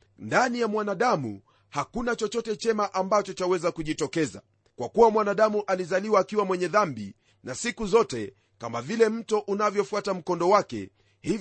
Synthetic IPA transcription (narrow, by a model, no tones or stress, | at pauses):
ndanijamwanaɗamṵ | hakunat͡ʃɔt͡ʃɔtɛt͡ʃɛmaʔambat͡ʃɔt͡ʃawɛzakuʄitɔkɛza̰ | kwakuwamwanaɗamuʔalizaliwaːkiwamwɛɲɛðambḭ | nasikuzɔtɛ | kamavilɛm̩tɔʔunavjɔfuatam̩kɔndɔwakɛ̰ | hiv